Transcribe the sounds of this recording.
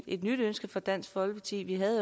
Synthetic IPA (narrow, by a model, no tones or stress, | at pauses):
e̝d̥nyɾ̥ønsɡ̥ɐfɒ̽d̥æn̰sɡ̥fɒ̽lpʰɑt͡sʰḭːʋiɦæðˠ